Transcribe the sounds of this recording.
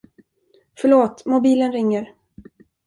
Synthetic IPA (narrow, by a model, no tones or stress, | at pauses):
fœɭoːt̪mʊbiːlənɾɪŋːəɾ